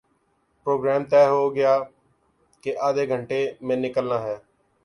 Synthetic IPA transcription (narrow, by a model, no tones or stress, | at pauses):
pɾoːɡɾɛːmt̪ɛːɦoːɡɪjaː | keʔaːd̪eːɡʱəɳʈeːmɛ̃ːnɪkəlnaːɦɛː